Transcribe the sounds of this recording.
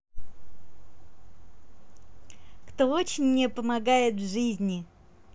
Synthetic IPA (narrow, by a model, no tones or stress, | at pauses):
kt̪oo̞t͡ɕɪnʲːɪpəmɐɡajɪt̪vʐɨzʲnʲɪ